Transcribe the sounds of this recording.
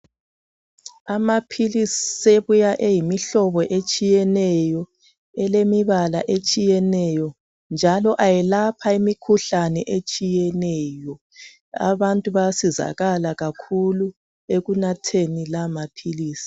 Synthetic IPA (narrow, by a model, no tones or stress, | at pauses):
amapʰilisiseβujaʔejimiɬɔβɔʔet͡ʃʼijɛnɛjɔ | ɛlemiβalaʔet͡ʃʼijɛnɛjɔ | nd͡ʒʱalɔʔajɛlapʰaimikʰuɬanɛʔet͡ʃʼijɛnɛjɔ | a̰βantʼuβasiza̰ɣalaɣakʰulu | eɣunatʰenilamapʰiliːsi̥